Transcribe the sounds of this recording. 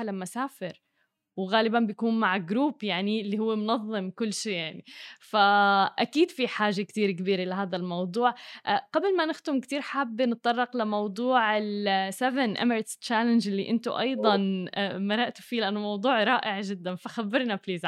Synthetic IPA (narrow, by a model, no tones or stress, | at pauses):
lamːasaːfɪɾ | wɣaːlɪbanbjakuːnmaʕɪɡɾuːpjaʕnilːihʊwːemʊnɑðˤːɨmkʊlːʃiːjaʕnifaʔakiːd̪fiħaːʒakt̪iːɾkɪbiːɾelɪɦaːd̪almɑwd̪ˤuːʕʔqablmanɪxt̪ɪmkt̪iːɾħabːnɪt̪̚ˤt̪ˤɑrˤːɑqlamɑwd̪ˤuːʕɪlsɛvɪnʔa̰məɾt̪st͡ʃːaːlɪnd͡ʒɪlːiʔɪnt̪ʊʔɑ̰jd̪ˤɑnmaɾˤaʔt̪ʊ̥fiːlɪʔanːʊmɑwd̪ˤuːʕɾˤɑːʔɪʕʒɪd̪ːanfaxabːɪɾnabliːz